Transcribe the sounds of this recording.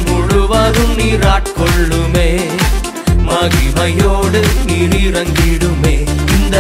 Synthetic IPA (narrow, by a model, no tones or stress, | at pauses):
mʊɻuʋɐɾɯmniːɾaːʈkɔɭːɯmeː | mɐɣimɐjoːɽɯniɾiɾɐŋɡɪɽɯmeːɪnd̪ɐ